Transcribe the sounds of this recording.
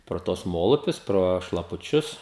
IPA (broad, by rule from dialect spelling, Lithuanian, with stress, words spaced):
proː ˈtuɔs ˈmoːlˠʊpʲʊs proː ʃlˠɐpʊˈt͡ʃʲʊs